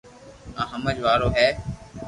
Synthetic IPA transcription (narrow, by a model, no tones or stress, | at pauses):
ãːɦəməd͡ʒʋaːɾoːɦɛː